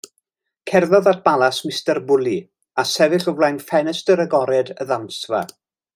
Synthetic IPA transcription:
kʰɛrðɔðat̚ʰb̥alˠasmɪstɛrbʊlˠi | asɛvɪɬɔvlajnfɛnɛstəɾəɡɔɾɛdə̰ðamsva̰

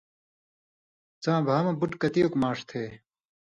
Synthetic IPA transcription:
t͡sãːbʱaːmɐ̃buʈkɐt̪ijokmaːʂt̪ʰeː

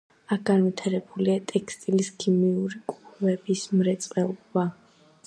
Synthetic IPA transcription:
ak̚ʰɡanvit̪ʰaɾɛbuliat̪ʼɛkst̪ʼiliskʰimiuɾikʼuvɛbismɾɛt̪sʼqʼɛlˠɔba

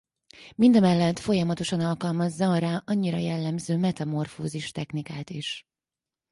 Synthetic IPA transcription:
mind̪ɛmɛlːɛt̪fo̞jɒmɒt̪o̞ʃɒnɒlkɒlmɒzːɒɾaːʔɒɲːiɾɒ̰jɛlːɛmzøːmɛt̪ɒmo̞rfo̰ːziʃt̪ɛxnikaːt̪iʃ

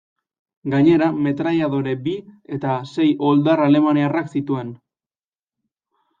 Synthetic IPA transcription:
ɡaɲe̞ɾame̞t̪ɾaʎaðo̞ɾe̞bie̞t̪ase̞jo̞ld̪arale̞maniaraksit̪ue̞n

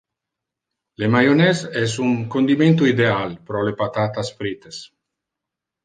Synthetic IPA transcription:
lemajonɛsɛsuŋkond̪iment̪uid̪ealpɾɔlepat̪at̪asfɾit̪es

